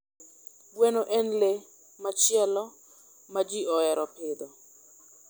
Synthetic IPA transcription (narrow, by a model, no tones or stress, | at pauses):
bwɛnoʔɛnle | mat͡ʃjɛlɔ | mad͡ʒiɔɛɾɔpɪd̪ɔ